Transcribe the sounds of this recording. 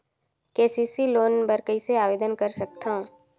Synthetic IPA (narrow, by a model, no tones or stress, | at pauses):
keːsisiloːnbəɾkəiseaːʋeːd̪ənkəɾsɐk̚t̪aɦũː